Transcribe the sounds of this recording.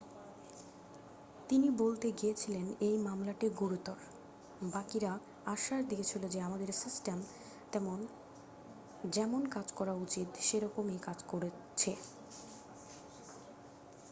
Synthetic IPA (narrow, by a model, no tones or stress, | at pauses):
t̪inibolt̪eɡijet͡ɕʰilenejmamlaʈiɡuɾut̪ɔɾ | bakiɾa | aʃaɾd̪iet͡ɕʰilod͡ʑeamad̪eɾsisʈem | t̪ɛmon | d͡ʑɛmonkad͡ʑkɔɾaut͡ɕit̪ʃeɾɔkomekad͡ʑkoɾe | t͡ɕʰe